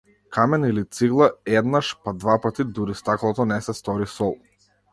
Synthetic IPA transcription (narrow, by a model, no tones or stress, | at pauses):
kʰamɛnilit̪siɡlˠaɛd̪naʃpad̪vapat̪id̪uɾist̪aklˠɔt̪ɔnɛsɛst̪ɔɾisɔlˠ